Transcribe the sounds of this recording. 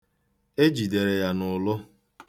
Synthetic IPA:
e˦d͡ʒi˨de˨ɾe˨ja˨nʊ˨lʊ˦

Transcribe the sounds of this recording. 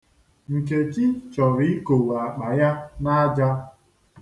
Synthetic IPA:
ŋ̩˨ke˨t͡ʃi˦t͡ʃɔ˨ɾi˦ko˨wa˨k͡pa˨ja˦na˦d͡ʒa˦

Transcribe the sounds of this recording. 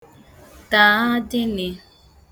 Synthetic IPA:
ta˨a˦dɪ˦nɪ˨

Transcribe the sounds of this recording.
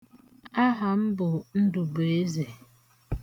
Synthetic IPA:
a˦ɦa˨m̩˦bʊ˨n̩˦du˨bo˨e˦ze˨

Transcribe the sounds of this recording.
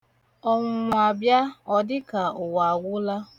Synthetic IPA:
ɔ˨ŋʷʊ˨a˨bja˦ɔ˨dɪ˦ka˨ʊ˨wa˨ɡʷʊ˦la˦

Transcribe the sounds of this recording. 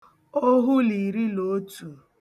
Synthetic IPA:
o˦ɦʊ˦li˨ɾi˦lo˨˦tu˨

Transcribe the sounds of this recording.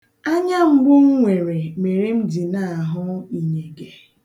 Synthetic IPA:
a˦ɲa˦ŋ͡m̩˦ɡ͡bʊ˦ŋ̩˦ŋʷe˨ɾe˨me˨ɾe˦m̩˦di˨na˨a˨ɦʊ˦i˨ɲe˨ɡe˦

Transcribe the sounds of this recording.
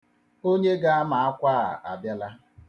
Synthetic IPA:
o˦ɲe˦ɡa˦a˦ma˨a˦kʷaː˦˨a̰˨ʔa̰˨bja˦la˦

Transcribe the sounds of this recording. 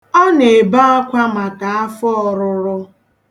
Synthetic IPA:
ɔ˦ne˨ba˦ɔ˦kʷa˦ma˨ka˨a˦fɔ˦ɔ˨ɾʊ˦ɾʊ˦

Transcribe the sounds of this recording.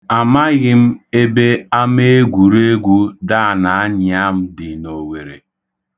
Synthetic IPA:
a˨ma˦ɣɪ˦m̩˦e˦be˦a˦m˦e˦ɡʷu˨ɾe˦ɡʷu˦da˦˨na˨a˦ɲ˦˨a˦m̩˦dɪ˨no˨we˨ɾe˨

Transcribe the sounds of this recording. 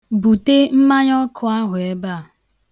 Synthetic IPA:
bu˨te˦m̩˦ma˦ɲɔ˦kʰʊ˦a˦ɦʊ˨e˦ba˦˨

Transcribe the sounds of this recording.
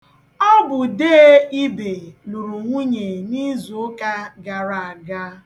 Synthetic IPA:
ɔ˦bʊ˨de˦e˦i˦be˨lu˨ɾu˨ŋʷu˦ɲe˨ni˦zu˨ʊ˦ka˦ɡa˨ɾa˨a˨ɡa˦

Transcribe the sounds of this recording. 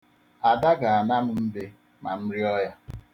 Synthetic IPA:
a˨da˦ɡa˨a˨na˦m̩˦m̩˦be˦ | ma˨m̩˦ɾi˦ɔ˦ja˦

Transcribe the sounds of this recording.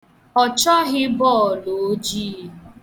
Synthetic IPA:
ɔ˨t͡ʃɔ˦ɣɪ˦bɔː˦˨lo˨˦d͡ʒi˦

